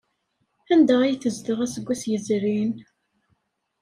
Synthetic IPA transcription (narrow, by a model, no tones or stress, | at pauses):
ænd̪æʁijθəzd̪əʁæsəɡʷːæsjəzɾin